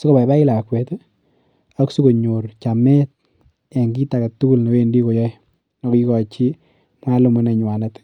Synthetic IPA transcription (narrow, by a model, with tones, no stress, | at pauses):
sɔ˦ko˦ba˨ba˦ɪ˦la˨kwe˨t | a˦ksu˦ko˨ɲo˨ɾt͡ʃa˨me˦t̚ | ɛ˨ŋɡi˦ta˨ka˨tːu˦u˦lni˨we˦ndi˦ko˨jɔ˦ | nɔ˨ki˦kɔ˨t͡ʃi˦ | m˦a˦lʊ˨mɔ˦nɛ˨ɲwa˨na˦t